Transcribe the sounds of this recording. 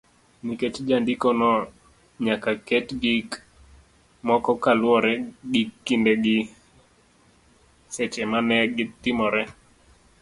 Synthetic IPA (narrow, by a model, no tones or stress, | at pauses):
niket͡ʃd͡ʒandikɔnɔ | ɲakakɛtɡik | mɔkɔkalwɔɾɛɡikːindeɡɪ | sɛt͡ʃɛmanɛɡɪt̪ɪmɔɾɛ